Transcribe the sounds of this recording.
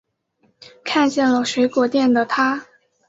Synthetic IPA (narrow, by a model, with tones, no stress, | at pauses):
kʰa˥˧nt͡ɕjɛ˥˩nlə˩ʂwe˧˥ɪkwɔ˨˩t̪jɛ˥˩nd̪ə˩t̪ʰa˥